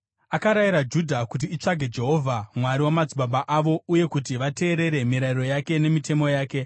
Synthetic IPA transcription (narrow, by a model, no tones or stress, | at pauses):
akaɾajiɾad͡ʒudʱakut̬iːt͡ʂaɡʱe̞d͡ʒe̞ɦo̞ːvʱamwaɾiwamad͡zibʱaɓaʔaʋo̞uje̞kutiʋate̞ːɾe̞ɾe̞miɾaiɾo̞jake̞ne̞mitʰe̞mo̞jaːke̞